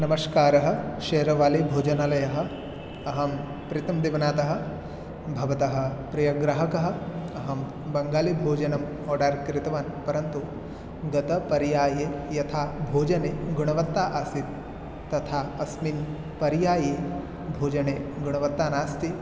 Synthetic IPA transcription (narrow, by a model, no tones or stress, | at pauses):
nɐmɐskaːɾɐɦɐ̆ʃeːɾɐʋaːlebʱoːd͡ʒɐnalɐjɐɦɐ̆ | ɐɦɐm | pɾit̪ɐmd̪iʋɐnaːt̪ɐɦɐ̆ | bʱɐʋɐt̪ɐɦɐ̆pɾɐjɐɡɾɐɦɐkɐɦɐ̆ɐɦɐm | bɐŋɡaːlibʱoːd͡ʒɐnɐm | ɔːɖaːɾkɾɪt̪ɐʋaːnpɐɾɐnt̪u | ɡɐt̪ɐpɐɾjaːjeːjɐt̪ʰaːbʱoːd͡ʒɐneːɡuɳɐʋɐt̪ːaːʔaːsit̪ː | ɐt̪ʰaːɐsmin | pɐɾjaːjeː | bʱoːd͡ʒɐneːɡuɳ̃ɐʋɐt̪ːaːnaːst̪i